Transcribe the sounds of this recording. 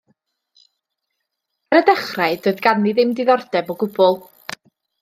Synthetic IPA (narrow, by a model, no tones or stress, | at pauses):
aɾədɛχraɨdoːɨðɡaniðɪmdɪðɔrd̥ɛbɔɡʊbɔlˠ